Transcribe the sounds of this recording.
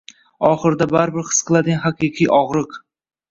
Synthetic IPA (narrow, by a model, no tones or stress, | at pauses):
ɒχɨɾd̪abaɾbɪɾχɨ̥sqʰɨlˠad̪ɪɡʲanhaqiqʰijʔɒʁɾɨq